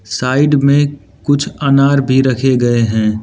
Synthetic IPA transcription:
saːɪɖmẽ | kʊt͡ʃʰanaːɾbʱiɾɐkʰeɡɐeɦɛ̃ː

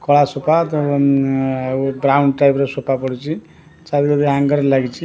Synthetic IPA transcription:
kʌɭasopat̪ʌ | bɾawɳɖʈajpɾʌsopapʌɽut͡sʰi | t͡saɾiɡʌd̪iɦãŋɡʌɾlaɡit͡sʰi

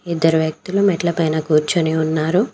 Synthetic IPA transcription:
id̪ːɐɾuʋjɐk̚t̪ulumɛʈlɐpɐjnɐkuːɾt͡ʃɐniunːaːɾu

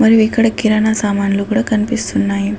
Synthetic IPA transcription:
məɾiʋikəɽəkːiɾanasamanlukɽəkənpist̪ʰunːaɦi

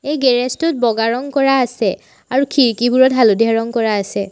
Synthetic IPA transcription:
ejɡɛɹɛstʊt̚bɔɡaɹɔŋkɔɹaːsɛ | aɹukʰiɹkibʱuɹɔtɦaludʱiaɹɔŋkɔɹaːsɛ

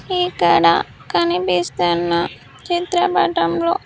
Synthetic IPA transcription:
ikɐɽa̰ | kɐnibist̪ɐnːɐ | t͡ʃit̪ɾɐbɐʈɐmlo̰ː

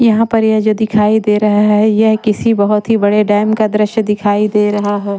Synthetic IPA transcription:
jɐɦãpɐɾjɛɦd͡ʒoːd̪ɪkʰaːid̪eːɾɐɦaɦɦɦɛjɛɦkɪsibɐɦʊt̪ɦibɐɽeɖaːɪmkad̪ɾɪʃjd̪ɪkʰaːid̪eːɾɐɦaɦɛː

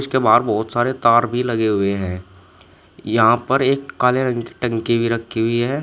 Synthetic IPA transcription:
skebaːd̪bɔːʊt̪saːɾet̪aːɾbʱilɐɡeɦʊeɦɛ̃ː | jɐɦãpɐɾeːkːaːleɾɐ̃ŋki̥ʈɐ̃ŋkibʱiɾɐkʰːiɦʊiɦɛː

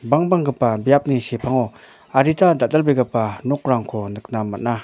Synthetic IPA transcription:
baŋbaŋɡəpːambjap̚niɕepʰaŋo | aɾit̪ad̪at̪alpeɡəpːanok̚raŋkʰond̪ək̚naməna

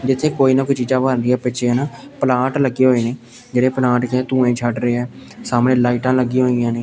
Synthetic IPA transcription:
d͡ʒɪt̪ʰːẽːkoːiːnãːkot͡ʃiːzãːbəɾɾɪjãːpɪt͡ʃʰẽːnaːpəlaːʈləɡːeːɦoːeːneː | d͡ʒeːɽeːpəlaːʈkẽːt̪ũːẽːt͡ʃʰəʈɾəeːɦɛːsaːmɽẽːlaːiːʈãːləɡiːɦoːijãːneː

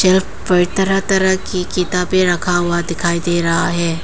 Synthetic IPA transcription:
ʃɛlf | pɐɾɪt̪ɐɾət̪ɐɾəɦkikɪt̪abeɾɐkʰaɦʊad̪ɪkʰaːid̪eːɾɐɦaɦɛː

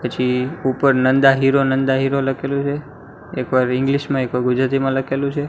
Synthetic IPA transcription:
pət͡ʃʰiupəɾnənd̪aɦiɾonənd̪aɦiɾoləkʰelũt͡ʃʰe | ekʋaɾɪ̃ŋɡliʃmãekʋaɾɡʊd͡ʒɾat̪̬imãləkʰelũt͡ʃʰe

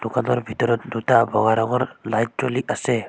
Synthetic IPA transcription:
d̥ukanɔɾbʱitɔɾɔt̚dutabʱɔɡaɾɔɡɔɾlajt̚t͡ʃɔliʔasɛ

